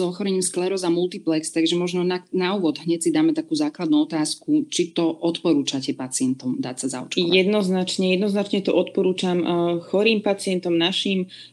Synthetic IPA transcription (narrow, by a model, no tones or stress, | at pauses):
zɔxɔɾɛɲiːmsklɛɾɔzamulˠt̪iplɛkst̪aɡʒɛmɔʒnɔnanauːʋɔd̪ɦɲɛcsid̪aːmɛt̪akuːzaːklad̪nuɔt̪aːskut͡ʃit̪ɔʔɔt̪pɔɾuːt͡ʃacɛpat͡siɛnt̪ɔmd̪a̰ːcsaza̰ṵt͡ʃkjɛd̪nɔznat͡ʃɲɛjɛd̪nɔznat͡ʃɲɛt̪ɔʔɔt̪pɔɾuːt͡ʃamxɔɾiːmpat͡siɪɛnt̪ɔmnaʃiːm